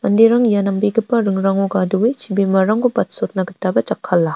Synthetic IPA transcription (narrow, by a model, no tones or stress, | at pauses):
mɐndeɾaŋjanɐmbiɡɯpːɐɾɯŋɾaŋoɡaduwet͡ʃʰibimɐɾaŋbupɐt̚sot̚nɐɡɐtabɐt͡ʃakʰːɐlːa